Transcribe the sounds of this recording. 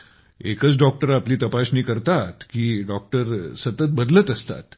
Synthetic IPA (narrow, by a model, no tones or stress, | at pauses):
ekət͡sɖɔk̚ʈəɾapliːt̪əpasniːkəɾt̪at̪kiːɖɔk̚ʈəɾsət̪ət̪̚bəd̪lət̪əst̪a̰t̪